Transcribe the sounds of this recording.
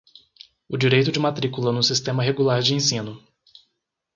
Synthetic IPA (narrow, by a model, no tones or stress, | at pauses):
ʊd͡ʒiɾejt̪ʊd͡ʒɪmat̪ɾikulɐnʊ̃sist̪ẽmɐɦeɡulaɾd͡ʒɪẽsĩnʊ